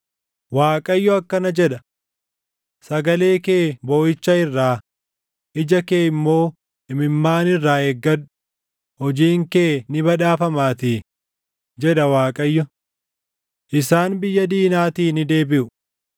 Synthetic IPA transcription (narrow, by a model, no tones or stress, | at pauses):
waːkʼɐjːɔɐkːɐnɐd͡ʒɛᶑɐ | sɐɡɐle̞ːke̞ːboːʔɪt͡ʃːɐɪrːaː | ʔɪd͡ʒɐkeːɪmːo̞ː | ɪmɪmːaːnɪrːaːɛɡːɐᶑʊ̥ | hɔd͡ʒiːŋkeːnɪbɐᶑaːfɐmaːt̪iː | d͡ʒɛᶑɐwaːkʼɐjːɔ | ʔɪsaːnbɪjːɐd̪iːnaːt̪iːnɪd̪e̞ːbɪʔʊ